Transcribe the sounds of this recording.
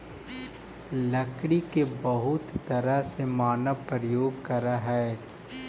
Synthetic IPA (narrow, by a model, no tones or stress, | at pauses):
lɐkɽikebɐɦʊt̪ːɐɾəsemaːnəpɾəjoːɡ̚kɐɾaɦɛː